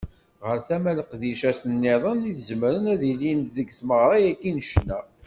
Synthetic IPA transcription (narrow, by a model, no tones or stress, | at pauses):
ʁəɾθæmæləqðiʃæsənːeðˤəniθəzmɾənæðilint̪ðəɡθməʁɾˤɑjækːinəʃnæ